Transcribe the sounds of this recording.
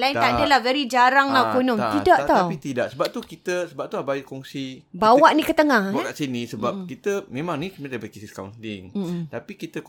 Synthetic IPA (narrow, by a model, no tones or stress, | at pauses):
laint̪adəlahvɛɾid͡ʒaɾaŋlakonɔ̃mt̪idaʔt̪aapit̪idaʔsəbap̚t̪ukit̪əsəbap̚t̪uabaiʔkɔŋsibawaʔnikət̪əŋahkaʔsinisəbap̚kit̪əmẽmãŋnĩsmədabəkisiska̰wnt̪iŋ̩t̪apikit̪ə